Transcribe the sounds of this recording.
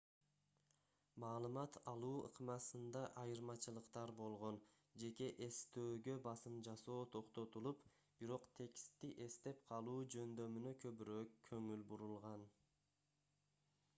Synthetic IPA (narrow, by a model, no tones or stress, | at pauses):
mɑːlˠɯmɑt̪ʰɑlˠuːɯ̰qmɑsɯnd̪ɑʔɑjɯɾmɑt͡ʃɯlˠɯqt̪ɑɾbo̞lˠʁo̞n | d͡ʒe̞ke̞ʔe̞st̪øːɡø̞bɑsɯmd͡ʒɑso̞ːt̪ʰo̞qt̪o̞t̪ulˠup | b̥iɾo̞qt̪ʰe̞kst̪ːiʔe̞st̪e̞pqʰɑlˠuːd͡ʒø̞nd̪ø̞mynøkʰø̞βyɾøːkʰːø̞ŋylbuɾulˠʁɑn